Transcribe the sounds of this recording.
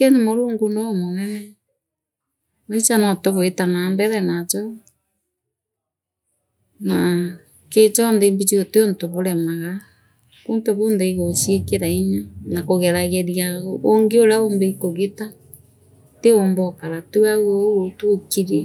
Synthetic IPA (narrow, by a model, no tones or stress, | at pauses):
kɛnimoɾoːŋɡunɔmonɛnɛ | net͡ʃanɔtoβoetanambɛɾɛnat͡ʃɔ | na | ket͡ʃɔndembit͡ʃioteontoβoɾɛmaɣa | kuntoβondeiɣosiekeɾaiɲanakoɣɛɾaɣɛɾiaɣoŋɡeoɾaombeikoɣeta | teombɔkaɾatuaɣootukiɾɛ